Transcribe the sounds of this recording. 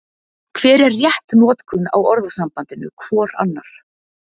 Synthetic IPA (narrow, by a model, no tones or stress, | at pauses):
kʰv̥ɛːɾɛrːjɛht̪nɔːt̪kʰʏna̰wɔɾðasampant̪ɪnʏ̰kʰv̥ɔːɾa̰nːaɾ̥